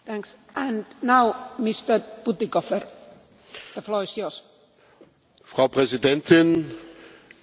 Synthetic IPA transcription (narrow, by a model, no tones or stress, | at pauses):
t̪æ̃ŋksʔæ̃nnaʊmɪst̪ə˞b̥ut̪ikɔfəɹ | ðəflɔːɹɪsjɔs | fʁ̥aʊpʁ̥ɛzidɛntʰɪn